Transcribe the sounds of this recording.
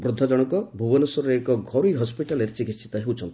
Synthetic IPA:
bɾod̪ʱːɔd͡ʒɔɽ̃ɔkɔbʱubɔnusɔɾɔɾeekɔɡʱɔɾujɦɔspiʈaleɾt͡ʃikisʰi̥t̪ɔɦewt͡ʃʰɔnt̪i̥

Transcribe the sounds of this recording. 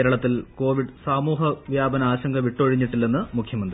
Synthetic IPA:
eːɾɐɭɐt̪ːilko̞ːʋiɖsaːmuːɦɐʋjaːbɐnɐaːɕɐŋɡɐʋiʈːoɻiɲːiʈːilːe̞nːɨmukʰjɐmɐnd̪ɾii

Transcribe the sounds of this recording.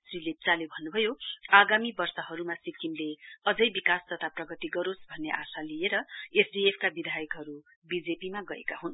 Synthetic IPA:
srilet͡salebʱʌnːubʱʌjoaɡamibʌrsʌɦʌɾumasikinleʌd͡zʌjbikast̪ʌt̪ʰaprʌɡʌt̪iɡʌɾosbʱʌnːeʔasalieɾʌesɖiepʰkabid̪ʱajʌkɦʌɾu | bid͡zepimaɡʌḛkaɦun

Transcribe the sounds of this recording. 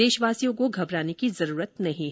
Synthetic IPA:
eːʃʋaːsijõkoɡʱɐbɾaːnekizɐɾuːɾət̪nɐɦĩ

